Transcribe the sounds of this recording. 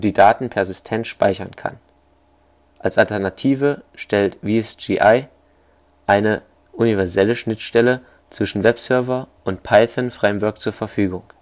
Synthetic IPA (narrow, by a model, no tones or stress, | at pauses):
d̥iːdaːtn̩pʰɛɐzɪstʰɛntʃpa̰ɪçɐnkʰa̰n | ʔalsʔaltɛɐnatʰiːvəʃtɛltviːɛsd͡ʒiʔaɪ | ʔaɪnə | ʔunivɛɐzɛləʃnɪtʃtɛlə | t͡sv̥ɪʃn̩vɛpsœɐvɐʔʊntpʰaɪθənfʁ̥ɛɪmvœɐk̚t͡suːɐfɛɐfyːɡʊŋ